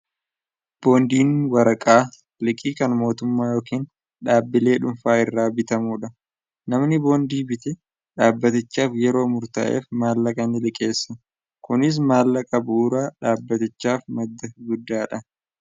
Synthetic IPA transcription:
b̥o̞ːnd̪iːnwɐɾɐkʼaː | lɪkʼiːkɐnmo̞ːt̪ʊmːaːjo̞ːkiːn | ᶑaːbːɪle̞ːᶑʊɱfaːɪrːaːbɪt̪ɐmuːᶑɐ | nɐmnɪbo̞ːnd̪iːbɪt̪ɪ | ᶑaːbːɐt̪ɪt͡ʃːaːfjɛɾo̞ːmʊɾt̪ɐ̰ʔḛːfmaːlːɐkʼɐnɪlɪkʼe̞ːsːɐ | kʊnɪs̬maːlːɐkʼɐbʊʔuːɾaːᶑaːbːɐt̪ɪt͡ʃːaːfmɐd̪ːɐɡʊd̪ːaːᶑɐ

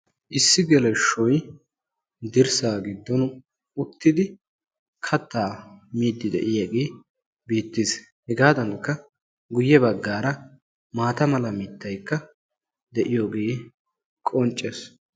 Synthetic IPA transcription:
ʔɪsːɪɡɛlɛʃɔj | d̪ɪɾsaːɡɪd̪ːɔnʊ | ʊt̪ːɪd̪ɪ | kʰɐt̪ːaːmiːd̪ːɪd̪ɛ̰ʔɪjaɡeː | biːt̪ːɪshɛɡaːd̪ɐŋkːɐ | ɡʊjːɛbɐɡːaːɾɐ | maːt̪ɐmɐlɐmiːt̪ːɐjkːɐ | d̪ɛʔɪjoːɡeː | kʼɔnt͡ʃʼːɛs

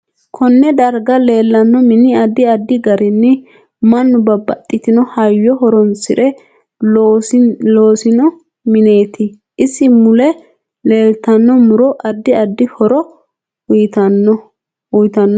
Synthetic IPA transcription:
kʰɔnːɛd̪ɐɾɡɐle̞ːlːɐnːɔmɪnɪɐd̪ːɪɐd̪ːɪɡɐɾɪnːɪ | mɐnːʊbɐbɐt̪ʼːɪt̪ɪnɔhɐjːɔɦɔɾɔnsɪᶑɛ | loːsɪnɔ | mɪne̞ːt̪ɪ | ʔɪsːɪmʊlɛ | le̞ːlt̪ɐnːɔmʊɾɔʔɐd̪ːɪɐd̪ːɪhɔɾɔ | jt̪ɐnːɔ | ʊjt̪ɐnːɔ

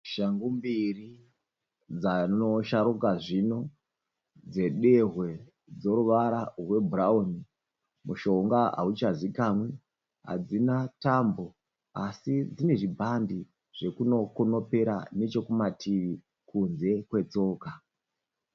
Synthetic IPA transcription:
ʃaŋɡumbiri | d͡zano̞ʃaɾukaʐino̞ | d͡ze̞ɗe̞ɦwe̞ | d͡zo̞ɾuʋaɾarwe̞bʱuraoni | muʃo̞ŋɡaa̰ut͡ʃazikamwe̞ | ɦa̰d͡zinatambo̞ | asid͡zine̞ʐibʱandi | ʐ̥e̞kuno̞kono̞peɾane̞t͡ʃo̞kumatʰiʋi | kunze̞kwe̞t͡so̞ːka

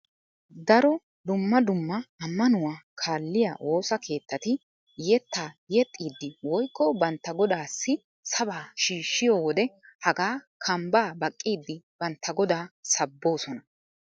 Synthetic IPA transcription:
d̪ɐɾɔ | d̪ʊmːɐd̪ʊmːɐɐmːɐnʊwaːkʰaːlːɪja̰ːwʔo̞ːsɐkʰe̞ːt̪ːɐt̪ɪ | jɛt̪ːaːjɛt̪ʼːiːd̪ːɪwɔjkːɔbɐnt̪ːɐɡɔd̪aːsːɪ | sɐbaːʃiːʃːɪjoːwɔd̪ɛhɐɡaː | kʰɐmbaːbɐkʼːiːd̪ːɪb̥ɐnt̪ʰːɐɡɔd̪aːsɐbːo̞ːsɔnɐ

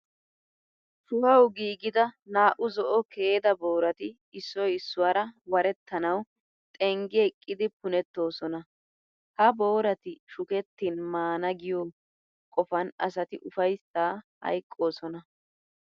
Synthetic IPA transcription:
ʃʊhɐwɡiːɡɪd̪ɐnaːʔʊzɔʔɔkʰeːd̪ɐbo̞ːɾɐt̪ɪ | ɪsːɔjɪsːʊwaːɾɐwɐɾɛt̪ʰːɐnɐw | t̪ʼɛŋɡeːkʼːɪd̪ɪpʊnɛt̪ːo̞ːsɔnɐ | hɐbo̞ːɾɐt̪ɪʃʊkɛt̪ːinmaːnɐɡɪjoː | kʼɔfɐnɐsɐt̪ɪʔʊfɐjsaːhɐ̰jkʼːo̞ːsɔnɐ

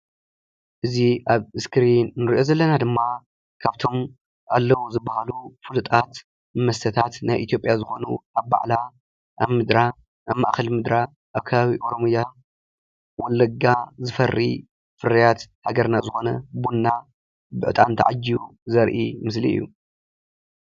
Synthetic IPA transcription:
ʔɨziʔaβɨskʰɨɾinnɨɾiʔo̞zɐlːɐnad̪ɨmːa | kʰaβt̪ʰo̞m | ʔalːɐwuzɨbːahalufulɨt̪ʼat̪ | mɐst̪ʰɐt̪ʰat̪najʔit̪ijo̞pʼjazɨxo̞nṵʔaβba̰ʕla | ʔaβmɨd̪ɾa | ʔaβma̰ʔxɐlmɨd̪ɾa | ʔaβkʰɐβaβiʔo̞ɾomɨja | wɔlːɐɡazɨfɐrːḭ | fɨɾɐjat̪haɡɐɾnazɨxo̞nɐbunːa | bɨ̰ʔɨt̪ʼant̪ʰɐʕad͡ʒːiuzɐɾʔimɨslḭɨ̰jːṵ

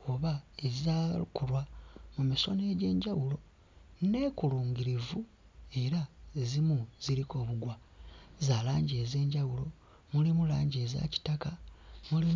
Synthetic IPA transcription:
o̞βaezaukulwamumiso̞̰ne̞ːɟe̞ːɲɟawulo̞ | ne̞kuluːŋɡiɾivu | e̞ɾaezimuz̥iɾiko̞ːβuɡwa | zaːlaːɲɟe̞ːze̞ːɲɟawulo̞ | mulimula̰ːɲɟe̞za̰ci̥takamuli

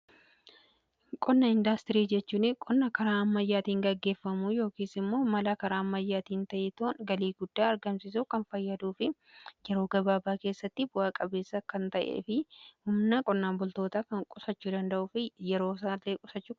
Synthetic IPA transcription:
kʼɔnːɐɪnd̪ɐst̪ɪɾiːd͡ʒɛt͡ʃːuːnɪkʼɔnːɐkɐɾaːɐmːɐjːaːt̪iːŋɡɐɡːe̞ːfːɐmuːjo̞ːkiːsɪmːo̞ːmɐlɐkɐɾaːɐmːɐjːaːt̪iːnt̪ɐʔɛt̪oːnɡɐliːɡʊd̪ːaːɐɾɡɐmsɪs̬ukɐnfɐjːɐd̪uːfɪ | jɛɾo̞ːɡɐbaːbaːke̞ːsːɐt̪ːɪbʊaːkʼɐbe̞ːsːɐkɐnt̪ɐʔḛːfɪhʊmnɐkʼɔnːaːmbʊlt̪o̞ːt̪aːkɐŋkʼʊsɐt͡ʃːuːd̪ɐnd̪ɐʔʊfɪjɛɾo̞ːs̬alːeːkʼʊsɐt͡ʃːuː

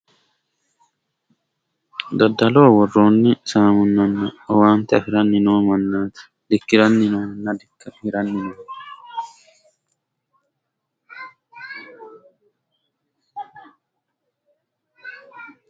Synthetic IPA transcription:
d̪ɐd̪ːɐloːwɔrːoːnːɪsaːmʊnːɐnːɐɔwaːnt̪ɪɐfɪɾɐnːɪnoːmɐnːaːt̪ɪ̥ | d̪ɪkːɪɾɐnːɪnoːnːɐd | hɪɾɐnːɪno

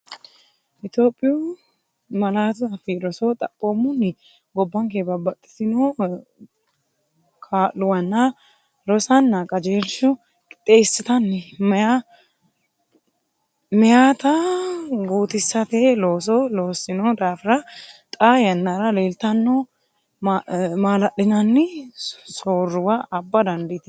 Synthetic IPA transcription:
ʔɪt̪jo̞ːpʼːɪju | mɐlaːt̪ʊɐfɪɾɔsot̪ʼɐpʼːomːʊnːɪ | ɡɔbːɐŋkebɐbɐt̪ʼːɪ̥sɪno | kʰaːʔʊwɐnːɐ | ɾɔsɐnːakʼɐd͡ʒeːɾʃʊ | kʼɪt̪ʼːeːsːɪt̪ɐnːɛmɛja | mɛjat̪ɐ | ɡuːt̪ɪsːɐt̪eloːs̬ɔloːsːɪnɔd̪aːfɪɾɐt̪ʼajɐnːɐɾɐleːlt̪ɐnːo | maːlɐɗɪnɐnːɪsoːrːʊwaʔɐbːɐd̪ɐnd̪ɪt̪ɪ

